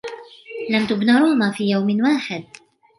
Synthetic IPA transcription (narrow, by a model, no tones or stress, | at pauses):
lamt̪ʊbnaɾˤuːnafiːjawmɪnwaːħɪd̪̚